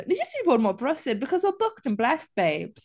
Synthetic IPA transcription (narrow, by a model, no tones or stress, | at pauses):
ðed͡ʒʌsĩpɔmɔbɹʌsɪd̚bɨkʰʌzwəbʊk̚tə̃nblæst̚b̥eɪbz̥